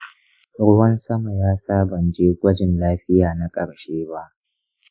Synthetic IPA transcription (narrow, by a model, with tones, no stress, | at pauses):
ɽʊ˦wɐ˦nsɐ˦ma˨jaː˦saː˦bɐ˨nd͡ʒeː˦ɡʷɐ˦d͡ʒɪ˨nlaː˦ɸɪ˦jaː˨na˦kʼɐ˨ɽʃeː˦ba˦ʔ